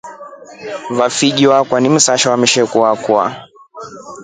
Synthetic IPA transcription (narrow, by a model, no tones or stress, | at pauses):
vafiʄiwakwanim̩saʃɔwamɛʃɛkuakua̰